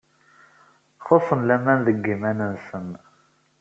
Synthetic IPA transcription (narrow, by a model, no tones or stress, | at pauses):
χosˤːənlæmænðəɡːimænənsən